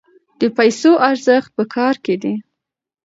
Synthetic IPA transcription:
d̪̥əpajsoʔaɾzəxt̪̚pəkʰɑɾked̪i

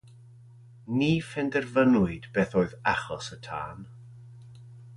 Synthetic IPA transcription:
niːfɛndɛrvənʊɨdbeːθoːɨðaχɔsətʰa̰ːn

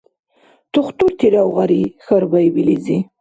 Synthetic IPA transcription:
t̪ʊχt̪uɾt̪ʰiɾawɣaɾixaɾbajbilizi

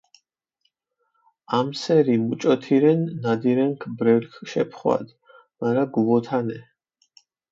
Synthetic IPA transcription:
amsɛɾimut͡ʃʼɔt̪ʰiɾɛnːad̪iɾɛŋkʰbɾɛlkʰʃɛpʰχwa̰d̪ | maɾaɡuvɔt̪ʰanɛ

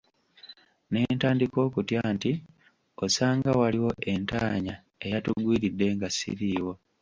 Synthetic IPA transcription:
ne̞ntaːndiko̞ːkutjaːnti | osaːŋɡawaliwo̞ʔe̞ntaːɲa | e̞jatuɡwiːɾidːe̞ŋɡasḭɾiːwo̞

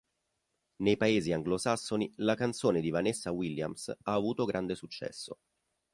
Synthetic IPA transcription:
nejpaeːziaŋɡlosasːonilakant̪soːned̪ivanesːawilja̰msaːvuːt̪oɡɾʔand̪esut͡ʃːɛ̰sːo̰

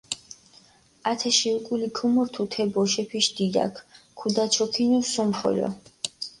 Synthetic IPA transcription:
at̪ʰɛʃiukʼulikʰumɔɾt̪ʰut̪ʰɛbɔʃɛpʰiʃd̪̥id̪a̰kʰ | kʰːud̪at͡ʃʰɔkʰinusumχɔ̰lɔ̰

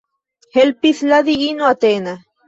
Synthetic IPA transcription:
helpiθlaðiinoat̪eːna

